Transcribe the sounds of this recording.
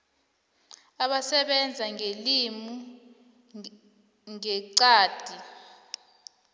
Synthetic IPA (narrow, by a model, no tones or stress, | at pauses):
aɓasɛɓɛnd͡zʱaŋelimu | ŋɛǀaːd̥ʱi